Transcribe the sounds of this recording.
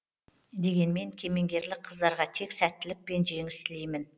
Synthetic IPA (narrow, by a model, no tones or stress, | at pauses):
d̪e̞ɡʲe̞nme̞ŋkʲʰe̞me̞ŋɡʲe̞ɾlɪk̚qʰəzd̪ɑɾʁɑt̪ʰe̞ksæt̪ːɪlɪk̚pe̞nʒe̞ŋɪst̪ɪlejmɪn